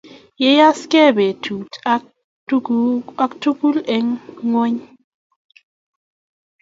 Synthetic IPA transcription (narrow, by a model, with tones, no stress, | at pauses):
je˦ja˦skɛ˦˨be˨tʰu˨t | a˦ktu˦ku˦le˦ŋːwe˦ɲ